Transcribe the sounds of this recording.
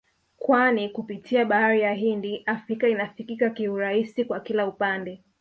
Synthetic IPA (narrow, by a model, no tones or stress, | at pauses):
kwanikupitʰiaɓahaɾijaɦindiʔafɾikainafikikakiuɾaisikwakilaupandɛ